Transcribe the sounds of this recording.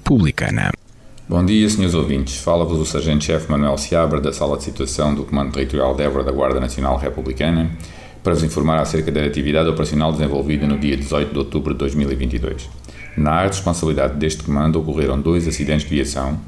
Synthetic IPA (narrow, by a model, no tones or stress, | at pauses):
puβlˠikɐ̰nɐ̰ | bõd̪iɐsɲoɾzovĩnt̪ʃfalˠɐvuzusɐɾʒẽnt̪ʃɛfmɐnwɛlˠsiaβɐɾd̪ɐsalˠɐd̪sit̪wɐsɐ̃w̃d̪ukumɐ̃nd̪ut̪ɨʁit̪uɾia̰lˠd̪ɛvuɾɐðɐɣwa̰ɾðɐnɐsjuna̰lˠʁɛpuβlˠikɐnɐ | pɐɾɐvuzĩfuɾmaɾaseɾkɐðɐɐt̪iviðaðɔpɾɐsjunalˠd̪ɨzẽvolˠviðɐnuðiɐd̪ɨzɔjt̪ud̪ot̪uβɾud̪ɨːojʒmilˠivĩnt̪iðo̰jʃ | naʁɨʃpõsɐβlˠiðaððeʃt̪kumɐ̃nd̪uokuʁeɾɐ̃w̃d̪ojzɐsiðẽt̪ʃʒd̪viɐsɐ̃w̃